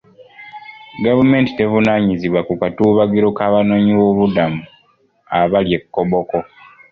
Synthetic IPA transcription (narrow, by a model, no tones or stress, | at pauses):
ɡavume̞ːntite̞vunaɲiziβwakukatuːβaɡiɾo̞kaβano̞ːɲiwoβudamu | aβalje̞kːoβo̞ko̞